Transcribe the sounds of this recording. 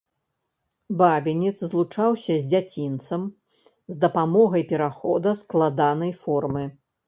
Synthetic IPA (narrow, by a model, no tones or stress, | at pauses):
babʲɛnʲit̪szlˠut͡ʂawsʲɐzʲd͡zʲat͡sʲint̪sɐm | zd̪ɐpamɔɣɐjpʲɛɾaxɔd̪ɐsklˠad̪anɐjfɔrmɨ